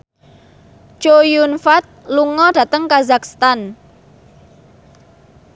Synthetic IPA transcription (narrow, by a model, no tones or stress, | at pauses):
t͡ʃojunfat̪̚luŋɔd̥ä̤t̪əŋkazakst̪an